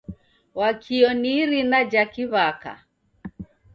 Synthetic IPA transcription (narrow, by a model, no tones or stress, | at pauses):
wakʰiɔniɾinad͡ʒakiβaka̰